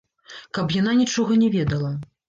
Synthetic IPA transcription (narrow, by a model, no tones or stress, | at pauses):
kɐpjan̪anʲit͡ʂɔɣɐnʲɛvʲɛd̪ɐlˠɐ